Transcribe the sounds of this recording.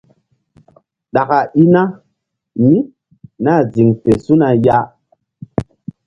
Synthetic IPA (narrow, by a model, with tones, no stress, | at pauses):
ɗa˨ka˨i˦na˦ | mi˦ | na˦˨zi˨ŋfe˨su˦na˨ja˦